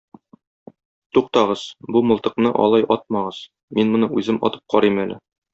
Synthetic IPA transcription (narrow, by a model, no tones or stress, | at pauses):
t̪uq̚t̪ɑʁɤzbumŏlˠt̪ɤ̆qnɤʔɒ̰lˠɑjʔɒt̪̚mɑʁɤz̥ | minmŏnɤʉzɘmʔɒ̰t̪ɤ̥p̚qʰɒɾimælɘ̰